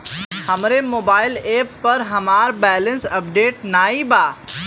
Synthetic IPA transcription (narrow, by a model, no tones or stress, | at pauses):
hɐmɾemoːbaːɪleːpːɐɾɦɐmaːɾbɛːlə̃nsɐpɖeːʈnaːibaː